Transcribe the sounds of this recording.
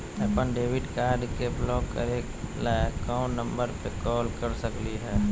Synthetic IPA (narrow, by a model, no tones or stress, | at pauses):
əpənɖeːwɪɖkaːɾɖkeblɔːkə̰ɾeːklakãnə̃mbəɾpekɔːlkəɾsəkliɦɛː